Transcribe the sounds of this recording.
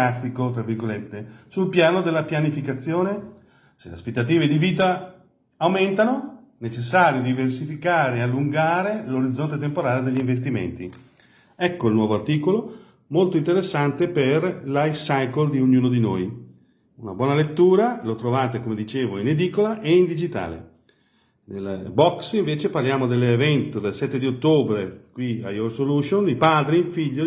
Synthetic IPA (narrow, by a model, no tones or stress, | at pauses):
afikot̪ɾavːirɡolet̪ːesulpjaːnod̪elːapjanifikat̪sːjoːne | selea̰spet̪ːat̪iːved̪iviːt̪aː | wment̪ano | net͡ʃes̬ːaːɾjod̪iversifikaːɾeːalːuŋɡaːɾeloɾid̪zːont̪et̪empoɾaːled̪eʎːiɱvest̪imḛnt̪i | ɛkːoilnwɔːvoart̪iːkolo | molt̪oint̪eɾesːant̪eperlajfsajkold̪ioɲːuːnod̪inoːj | unabwɔːnalet̪ːuːɾalot̪ɾovaːt̪ekomed̪it͡ʃeːvoined̪iːkolaʔeind̪id͡ʒit̪a̰ːlḛ | nelbɔksĩɱveːt͡ʃeparljaːmod̪elːevɛnt̪od̪elsɛt̪ːed̪iot̪ːoːbɾekwia̰jorsoluːʃonipaːd̪ɾiifiʎːo